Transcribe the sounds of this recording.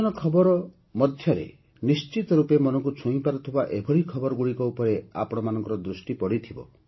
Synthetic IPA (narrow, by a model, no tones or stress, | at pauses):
ɔnɔkʰɔbɔɾɔ | mɔd̪ʱjɔɾḛ | nist͡ʃit̪ɔɾupemɔnɔŋkut͡ʃʰũĩpaɾɔt̪ʰibaʔebʱɔɾikʰɔbɔɾɔɡuɽikɔupɔɾea̰pɔɽ̃ɔmanɔ̃ŋkɔɾɔd̪ɾusʈipɔɽit̪ʰibɔ̰